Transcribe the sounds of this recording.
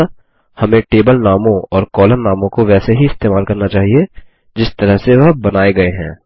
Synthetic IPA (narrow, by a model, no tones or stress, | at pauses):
hɐmẽʈeːbəlnaːmõɔːɾkɔːləɾnaːmõkoʋɛːseɦiɪst̪eːmaːlkɐɾnat͡ʃaːɦie | d͡ʒɪst̪ɐɾəɦseʋɐɦbɐnaːeɡɐeɦɛ̰̃ː